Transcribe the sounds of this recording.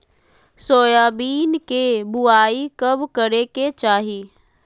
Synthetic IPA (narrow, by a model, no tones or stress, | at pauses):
soːjaːbiːnkebʊaːikɐbkɐɾeket͡ʃaːɦiː